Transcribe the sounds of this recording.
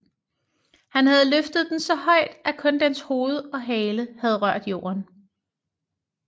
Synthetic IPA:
hænhæð̞ˠløfd̥əð̞̩ˠd̥en̩sɒ̽hɒ̽ɪ̰d̥ʔækʰɔ̽nd̥ensho̝ːð̞̩ˠɒ̽ɦɛːləhæð̞ˠʁɶɐ̰d̥jo̝̰ːɐn

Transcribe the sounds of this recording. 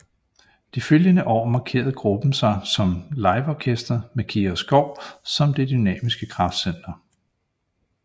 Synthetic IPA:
d̥iføljənəʔɒ̰ːmɑ̈kʰe̝̰ːɐð̞̩ˠɡ̥ʁub̥n̩sɑ̈ɪsɒ̽mlɑ̈ɪʋɒːkʰesd̥ɐmekʰiɐsɡ̥ɒʊ̰sɒ̽md̥e̝d̥ynɛ̰ːmisɡ̥əkʰʁɑ̈fd̥sen̰d̥ɐ

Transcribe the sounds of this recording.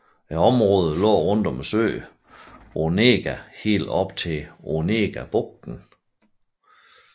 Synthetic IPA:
æɒ̽mʁɔ̽ːð̩ˠlɔ̰̽ːʁɔ̽n̰d̥ɒ̽mæsø̰ː | ʔone̝̰ːɡ̥æhe̝̰ːld̥ɒ̽b̥̚t͡sʰe̝one̝̰ːɡ̥æb̥ɔɡ̥̚d̥n̩

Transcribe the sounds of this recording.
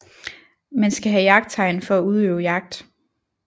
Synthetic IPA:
mænsɡ̥æɦæjɑ̈ɡ̥̚d̥̚t͡sʰɑ̈ɪnfɒ̽æuð̞ˠøʊjɑ̈ɡ̥̚d̥

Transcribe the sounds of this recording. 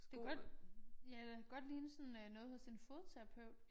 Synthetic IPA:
d̥e̝ɡ̥ɒd̥jædeæɡ̥ɒ̽d̥liːnəsɒ̽nønɔ̽ːð̩ˠfɒsinfoːðˠt͡sʰeʁɑpʰøʊ̰d̥

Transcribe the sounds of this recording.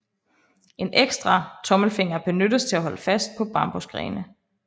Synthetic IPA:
ʔe̝nʔeɡ̥sd̥ʁɑ̈t͡sʰɒ̽məl̩fe̝ŋ̰ɐb̥e̝nødəst͡sʰe̝æɦɒ̽ləfæsd̥̚pʰɒ̽b̥ɑ̈mb̥osɡ̥ʁɛ̰ːnə

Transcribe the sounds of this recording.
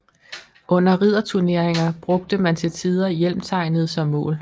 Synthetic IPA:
ʔɔ̽n̰ɐʁið̰ˠɐt͡sʰuɐne̝ɐ̰eŋɐb̥ʁɔ̽ɡ̥̚d̥əmænt͡sʰe̝lt͡sʰið̞ˠɐjel̰mt͡sʰɑ̈ɪ̰nəð̞̩ˠsɒ̽mːɔ̰ːl

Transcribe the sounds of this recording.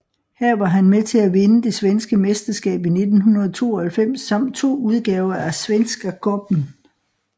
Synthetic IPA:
hæɐ̰ʋɑ̈ɦænmet͡sʰe̝æʋe̝nəd̥e̝sʋensɡ̥əmesd̥ɐsɡ̥ɛ̰ːb̥ine̝d̥n̩ɦunɐð̞ˠt͡sʰo̝̰ːɐhælfem̰sːɑ̈m̰d̥̚t͡sʰo̝̰ːuð̞ˠɡ̥ɛːʊɐæsʋensɡ̥ɐɡ̥ʰɔb̥n̩

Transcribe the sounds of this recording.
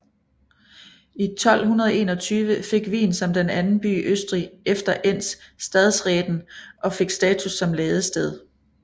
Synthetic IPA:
it͡sʰɒ̽l̰hunɐð̞ˠe̝ːnɒ̽t͡sʰyːʋəfe̝ɡ̥ʋḭːnsɒ̽md̥enænn̩b̥y̰ːʔøsd̥ʁiefd̥ɐʔen̰sːd̥ɛð̞ˠsʁɛːd̥n̩ʔɒ̽fe̝ɡ̥sd̥ɛːt͡sʰusːɒ̽mlɛːð̞ˠəsd̥eð̞ˠ

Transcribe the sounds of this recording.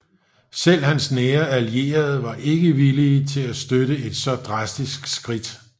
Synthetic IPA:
sel̰hænsneːɐælie̝̰ːɐð̞̩ˠʋɑ̈ʔe̝ɡ̥əʋiliːt͡sʰe̝læsd̥øɾəe̝d̥sɒ̽d̥ʁɑ̈sd̥isɡ̥sɡ̥ʁid̥

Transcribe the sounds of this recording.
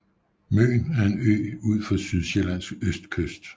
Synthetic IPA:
mø̰ːnæɐe̝nø̰ːuð̰ˠfɒsyð̞ˠɕelæn̰sɡ̥øsd̥kʰøsd̥

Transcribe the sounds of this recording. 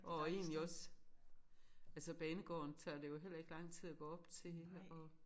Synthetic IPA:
ʔɒe̝̰ːnnliɒ̽s | ælsəb̥ɛːnəɡ̥ɒ̰ːnt͡sʰɑːde̝jo̝ɦel̰ɐe̝ɡ̥lɑ̈ŋ̰t͡sʰið̰ˠæɡ̥ɔ̰ːɒ̽b̥t͡sʰe̝ɒ̽

